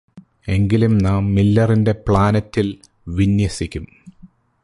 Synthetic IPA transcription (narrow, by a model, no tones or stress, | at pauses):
e̞ŋɡilumnaːmːilːɐrinde̞pɭaːnɐtːil | ʋinjɐsikʲːum